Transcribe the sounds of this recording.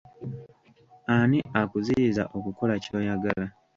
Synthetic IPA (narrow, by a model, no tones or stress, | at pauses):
aniʔakuziiza̰ʔo̞kuko̞laco̞ːjaɡala